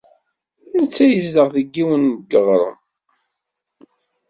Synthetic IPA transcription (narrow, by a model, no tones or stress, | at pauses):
nət͡sːæjəzðəʁθəɡːiwənɡəʁɾˤə̰m